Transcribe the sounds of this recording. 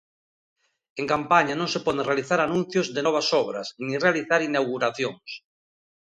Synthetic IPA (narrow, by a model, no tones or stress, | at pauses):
eŋkampaɲanõŋsepɔðẽrealiθaɾanũn̟θjozðenɔβ̞asɔβɾa̰snirealiθaɾinawɣuɾaθjoŋs